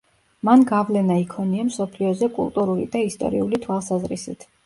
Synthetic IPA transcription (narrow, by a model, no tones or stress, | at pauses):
manɡavlɛnaikʰɔniamsɔpʰliɔzɛkʼṵlˠt̪ʼuɾulḭd̪aist̪ʼɔ̰ɾiulit̪ʰwalˠsazɾisḭt̪ʰ